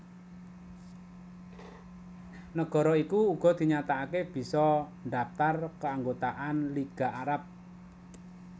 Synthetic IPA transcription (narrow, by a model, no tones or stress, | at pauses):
nəɡ̥ɔ̤ɾɔikuːɡ̥ɔ̤d̪̥i̤ɲat̪aakeb̥i̤sɔnɖapt̪arkəaŋɡot̪aʔanliɡ̥a̤aɾap̚